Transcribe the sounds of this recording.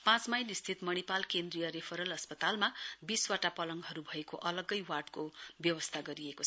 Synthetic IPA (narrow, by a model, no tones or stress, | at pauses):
pãt͡smajnist̪ʰit̪mʌñipalkend̪rijʌɾepʰʌɾʌlʌspʌt̪almabiswaʈapʌlʌŋɡɦʌɾubʱʌekoʔʌlʌɡʌjwaʈkobjʌwʌst̪ʰaɡʌɾiekoʌ